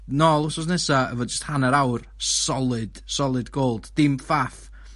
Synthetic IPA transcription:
nɔlˠʊsɔsnɛsaə̰vɔːdd͡ʒəsthanəɾawr | ssɔlˠɨd̥sɔlˠɨdɡoːlˠd̥d̥ɪmfaf

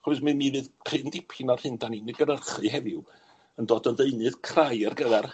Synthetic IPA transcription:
χuɨsmɨmiːvɨðpʰrɪndɪpʰɪnɔrhɨndaninɨɡəɾərχɨɦɛvɪw | əndɔːdɔðeɨnɨðkʰrajərɡəðɛr

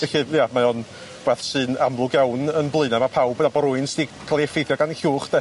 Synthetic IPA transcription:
ɛɬɨːjamaɔn | b̥ɛθsɨːnamlˠʊɡjawnənblˠɨnamapʰawbnabɔɾʊɨnsd̥ikʰalˠiɛfejθjɔɡanɬuːχd̥ɛ

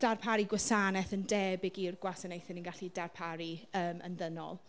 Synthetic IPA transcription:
d̥arpʰaɾiɡwasanɛθəndɛbɪɡirɡwasənejθɪnənɡaɬidarpʰaɾiəːmə̰nðənɔ̰lˠ

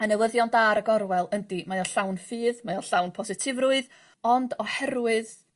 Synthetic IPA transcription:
ənɛwəðjɔndaɾəɡɔɾwɛlˠəndimajɔɬawnfiːðmajɔɬawnpʰɔsɨtʰɪvrʊɨð | ɔndɔhɛɾwɨð

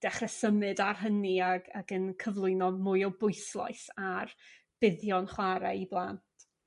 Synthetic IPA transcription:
d̥ɛχrɛsəmɨdarɦəniaɡaɡənkʰəvlˠʊɨnɔmʊjɔbʊɨslˠa̰jsar | b̥ɪðjɔnχwaɾaiblˠaːntʰ

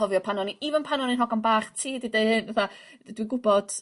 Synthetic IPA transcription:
ɔvjɔpʰanɔniivənpʰanɔninɦɔɡanbaːχtʰiːdidejhɨnvaθa | dwiɡʊbɔd̥

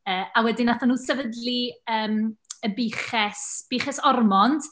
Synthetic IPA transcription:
əːawɛdinaθanuːsɛvədliəːməbiːχɛsb̥iːχɛsɔrmɔnd̥

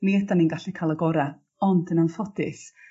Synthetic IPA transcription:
miɛdaninɡaɬikʰalˠəɡɔɾa | ɔndənanfɔdɪs

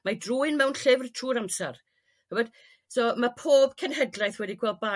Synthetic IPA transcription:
madruːɨnmɛwnɬɪvrtʰruːɾamsar | həbɛd̥ | soːmapʰoːb̥kʰɛnɦɛdlˠajθwɛdikʰw̥ɛlˠd̚ba

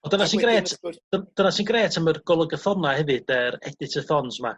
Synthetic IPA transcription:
ɔdənasinɡreːtʰd̥əd̥ənasinɡreːtʰamərɡ̥ɔlˠəɡəθɔnahɛvɨd̥ɛɾɛdɪtʰəθɔnsma̰

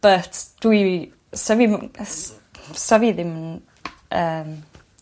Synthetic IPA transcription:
b̥ətʰd̥wi | savims | saviðɪmn | əːm

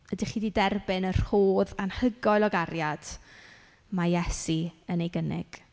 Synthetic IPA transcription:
ədiχiːdidɛrbɪnər̥hoːðanhəɡɔɨlˠɔɡarjad̥ | majɛsiənejɡənɪ̰ɡ̥

